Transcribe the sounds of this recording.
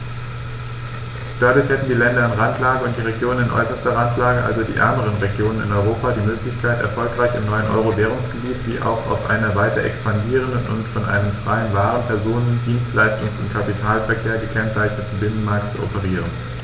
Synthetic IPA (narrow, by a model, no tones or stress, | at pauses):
d̥adʊɐçhɛtn̩diːlɛndɐanʁantʰlaːɡəʊnt̚d̥iːʁ̞eɡjoːnənɪnʔɔ̰ʏsɐstɐʁantlaːɡəʔa̰lzodiːʔɛ̰ɐməʁ̞ənʁeɡjoːnənɪ̰nɔʏʁ̞oːpadiːmøːklɪçkʰaɪtɛ̰ɐfɔlkʁ̥aɪçɪmnɔʏənʔɔ̰ʏʁovɛːʁ̞ʊŋsɡ̥əbiːtv̥ḭːʔa̰ʊxa̰ʊfʔa̰ɪnɐvaɪtɐʔɛ̰kspandiːʁ̞əndənʔʊ̰ntfɔnʔa̰ɪnəmfʁ̥aɪənvaːʁ̞ənpʰɛɐzoːnəndiːnstlaɪstʊŋsʊ̰ntkʰapitʰaːlfɛɐkʰeːɐɡəkʰɛnt͡saɪçnətn̩bɪnənmaɐk̚tt͡suɔ̰pəʁ̞iːʁən